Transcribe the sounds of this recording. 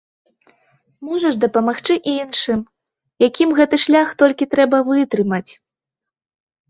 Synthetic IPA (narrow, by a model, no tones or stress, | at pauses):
mɔʐɐʐd̪ɐpɐmaxt͡ʂɨʔinʂɨm | jakʲimɣɛt̪ɨʂlʲaxt̪ɔlʲkʲit̪ɾɛbɐvɨt̪ɾɨmɐt͡sʲ